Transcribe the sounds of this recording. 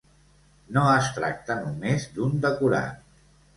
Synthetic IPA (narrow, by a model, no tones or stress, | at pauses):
noəst̪ɾa̰k̚t̪ənumezd̪und̪əkuɾa̰t̪